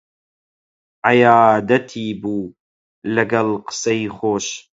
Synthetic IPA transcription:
ʔajaːd̪ɐt̪ʰiːbuː | lɐɡɐlqɨ̥sɐjχoːʃ

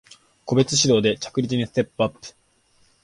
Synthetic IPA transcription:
ko̞be̞t͡sɨɕid̪o̞ːd̪e̞t͡ɕḁkɯ̟ɾʲit͡sɨɲ̟isɨ̥t̪e̞pːɯapːɯ̟̥

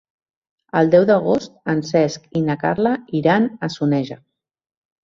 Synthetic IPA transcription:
əlˠd̪ɛwðəɣ̞ost̪̚ənsɛskinaka̰ɾlaiɾanəsunɛʒə

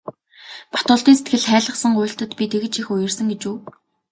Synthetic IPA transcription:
pḁt̪ɔːɮt̪iːnset̪̚ɡɘ̆ɮχæːɮə̆χsə̆ŋɢʊːɬt̪ə̆t̪pʲit̪ʰeɣɘ̆t͡ɕixʊjɪ̆rsə̆ŋɡet͡ɕuː

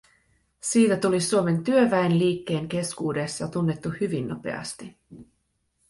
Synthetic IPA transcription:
siːt̪æt̪ulisuome̞nt̪yøʋæenliːkːe̞ːŋk̟e̞skuːde̞sjɑt̪unːe̞t̪ːuhyʋinːo̞pe̞̰ɑ̰st̪i

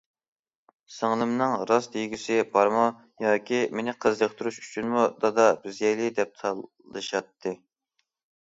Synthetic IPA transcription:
sɨŋlˠɨmnɨŋɾɑsd̪ejɡʲysɪbɑɾmu | jɑːkʲimenɪqʰəzd̪əqt̪ʰuɾuʃy̥t͡ʃʰynmud̪ɑd̪ɑbɪzjɛjlɪd̪ɛp̚t̪ʰɑ | ɨ̰ʃɑt̪ʰːɨ

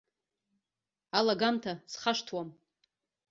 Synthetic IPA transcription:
alaɡamtʰasχaʂtʰwam

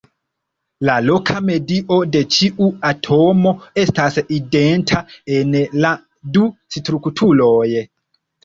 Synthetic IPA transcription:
lalo̞kʰame̞diʔo̞de̞t͡ʃiʔuatʰo̞mo̞e̞staside̞ntʰae̞nla | dustɾuktʰulo̞j

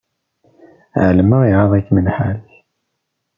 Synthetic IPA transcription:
ʕləməʁiʕɑðˤækːmənħalθ

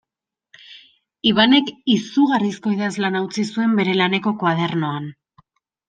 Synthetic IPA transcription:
iβane̞kisuɣarisko̞iðazlanawt͡sisue̞mbe̞ɾe̞lane̞ko̞kwað̞e̞rno̞an

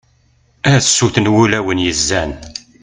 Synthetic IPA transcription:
æsːuθnwulæwənjəzːæn

